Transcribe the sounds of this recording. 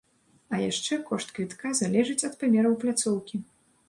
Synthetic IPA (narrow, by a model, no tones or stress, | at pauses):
ɐjaʂt͡ʂɛkɔʂt̪kvʲit̪kazalʲɛʐɨt͡sʲɐt̪pamʲɛɾɐwplʲat̪sɔwkʲi